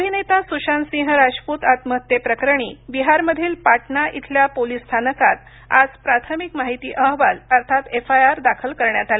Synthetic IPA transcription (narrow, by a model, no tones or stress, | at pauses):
əbʱinet̪asuɕansĩɦəɾaʂput̪at̪məɦət̪jepɾəkɾəɳ̃iːbiɦaɾməd̪ʱiːlpaʈɳaʔit̪ʰljapolist̪ʰanəkat̪ | a̰d͡zpɾat̪ʰəmikmaɦit̪ḭːʔəɦʋaləɾt̪ʰat̪efajaɾd̪akʰəlkəɾɳjat̪ale